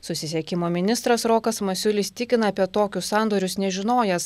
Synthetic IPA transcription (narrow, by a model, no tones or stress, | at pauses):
sʊsʲɪsʲɛkʲɪmoːmʲɪnʲɪst̪ɾɐsɾoːkɐsmɐsʲʊlʲɪsʲt̪ʲɪkʲɪnɐɐpʲiɛt̪oːkʲʊssɑˑnd̪oːɾʲʊsnʲɛʒʲɪnoːjɛs